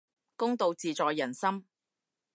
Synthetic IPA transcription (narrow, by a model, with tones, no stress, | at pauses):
kʊ˥ŋt̪o˨wt͡siː˨t͡sɔː˨˧jːɐ˨˩nsɐ˥m